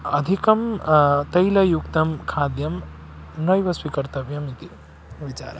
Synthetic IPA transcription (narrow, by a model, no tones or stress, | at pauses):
ɐd̪ʱikɐmt̪ɐjlɐjukt̪ɐmkʰaːd̪jɐm | nɐjʋɐsʋikɐɾt̪ɐʋjɐmit̪i | ʋit͡ʃa̰ːɾɐ̰